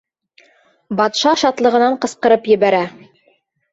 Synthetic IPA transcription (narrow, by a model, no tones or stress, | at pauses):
bɑt̪ʃɑʃɑt̪lˠɤ̆ʁɤ̆nɑɴqɤ̆sqɤ̆ɾɤpjɘ̆βæɾæ